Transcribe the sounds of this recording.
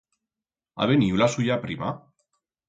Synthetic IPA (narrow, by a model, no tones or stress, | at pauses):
a̰βeniulasujapɾima